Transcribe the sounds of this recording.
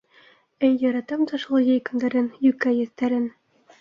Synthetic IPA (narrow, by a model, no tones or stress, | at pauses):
ɘjːɒɾɑt̪ɑmt̪ɑʃlˠɤjɘjkɤ̆nd̪ɑɾɘnjʉkːæjɵ̆θt̪æɾɘ̆n